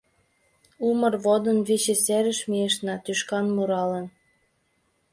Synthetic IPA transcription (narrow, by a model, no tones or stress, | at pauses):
umə̆rβod̪ə̆nβit͡ɕĕseɾə̆ʃmieʃnɑt̪yʃkɑnmuɾɑlə̆n